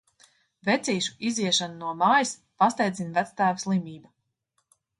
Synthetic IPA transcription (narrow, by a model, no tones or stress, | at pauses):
vɛt̪siːʃu̥iziɛʃanunuɔmaːjispast̪ɛjd̪zinvæt̪st̪æːvaslˠimiːba